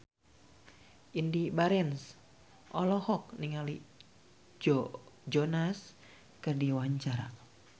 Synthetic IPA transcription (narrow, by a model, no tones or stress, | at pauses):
ʔindibaɾɛns | ʔɔlɔhɔk̚niŋali | d͡ʒɔd͡ʒɔnas | kɨrdiwaɲt͡ʃaɾa̰